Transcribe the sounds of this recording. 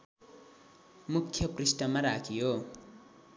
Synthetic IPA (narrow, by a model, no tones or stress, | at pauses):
mukʰːjʌprisʈʌmːaɾakʰijo